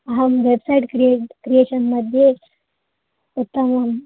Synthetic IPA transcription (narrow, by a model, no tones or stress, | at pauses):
ɦɐmʋebsaiʈkɾieʈkɾieɕənməd̪ʱje | ut̪ːəməm